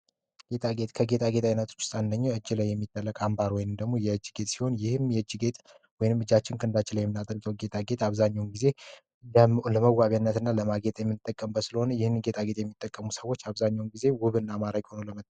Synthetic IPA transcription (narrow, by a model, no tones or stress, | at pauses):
ɡ̥e̞t̪ʰʼaɡet̪kʰəɡe̞t̪ʰʼaɡe̞t̪ʰʼajnət̪ʰu̥t͡ʃːʊ̥st̪ʼand̪əɲːoɨd͡ʒːɪlajːɛmːit̪ʼːəlːəkʼambaɾwɔjnɨmd̪əɡmo̞jɛɨd͡ʒːɡe̞t̪ʼsi̥ho̞njɪhɨmjɛɨd͡ʒːɡe̞t̪ʼ | wɔjnɨmɨd͡ʒat͡ʃːɪnkʰəɨnd̪at͡ʃːɪnlajɛmɨnat̪ʼəɾɡʼəwɡe̞t̪ʼʰaɡe̞t̪ʰʼaβzaɲːawnɡize̞ | ləməwaβjanːət̪ɨnːaləmaɡe̞t̪ʼjɛmːɨnɨt̪ʼːəkʼːəmbəsɨləho̞nəjɪhɨnɡe̞t̪ʰʼaɡe̞t̪ʼjɛmːit̪ʼːəkʼːəmusəwo̞t͡ʃːaβzaɲːawnɡize̞wʊβɨnːamaɾakho̞noləmət̪ː